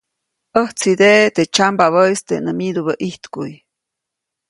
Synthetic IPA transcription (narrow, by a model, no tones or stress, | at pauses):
əht͡sid̪eʔt̪et͡ʃambaβəjst̪enəmid̪uβəʔiht̪kuj